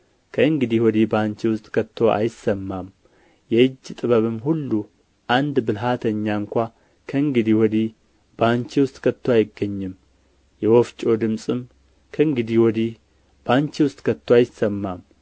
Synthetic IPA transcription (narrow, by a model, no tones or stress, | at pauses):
kʰəɨŋɡɨd̪iwɔd̪ibant͡ʃiwʊst̪ʼkʰət̪ʰːo̞ʔa̰jɪsəmːam | jɛɨd͡ʒːt̪ʼɨβəβɨmhulːu | ʔand̪bɨlɦat̪ʰəɲːaɨŋkʷa | kʰəɨŋɡɨd̪iwɔd̪i | b̥ant͡ʃiwʊst̪ʼkʰət̪ʰːoajɪɡːəɲːɨm | jɛwɔft͡ʃʼo̞d̪ɨmsʼɨm | kʰəɨŋɡɨd̪iwɔd̪i | b̥aɲt͡ʃiwʊst̪ʼkʰət̪ʰːoajɪsːəmːam